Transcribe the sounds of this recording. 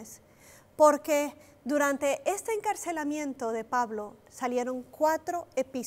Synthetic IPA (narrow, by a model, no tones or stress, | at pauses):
s | po̞ɾke̞ | d̪uɾant̪e̞ʔest̪eːŋkaɾse̞lamjẽ̞nt̪oðe̞paβlo̞salje̞ɾo̞ŋkwat̪ɾo̞epi